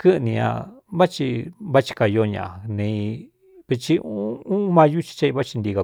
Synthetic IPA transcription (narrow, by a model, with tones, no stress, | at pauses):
kɨ˦˧nĩ˧ã̰˧βa˦t͡ʃi˧βa˦t͡ʃi̥˧ka˧jo˧˦˧ɲã̰˨a˨nẽ˧ | βi˧t͡ʃi˧u˦ũ˦mã˧ju˦t͡ʃi̥˧t͡ʃa˦˧i˧βa˦t͡ʃi˧nd̪i˧ɣa˧